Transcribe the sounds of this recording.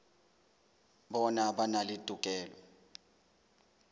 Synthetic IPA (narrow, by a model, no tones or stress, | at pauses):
bɔnaɓanalidʼʱuk̬ʼɛːlɔ